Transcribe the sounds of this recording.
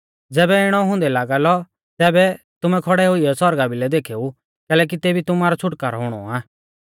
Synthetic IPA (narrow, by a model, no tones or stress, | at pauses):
d͡zɛːbɛɪɽ̃ɔɦʊ̃nd̪ɛlaːɡalɔ | t̪ɛːbɛ | t̪ʊmɛkʰɔɽɛɦʊiɛsɔɾɡabɪlɛd̪eːkʰeːu | kɛːlɛːk̬it̪eːbʱit̪ʊmaːɾɔt͡ʃʰʊʈkaːɾɦʊɽ̃ɔ̰aː